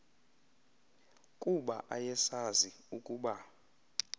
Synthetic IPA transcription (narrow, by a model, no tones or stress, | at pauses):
kʼuɓa̰ʔajɛsaziukʼuːɓa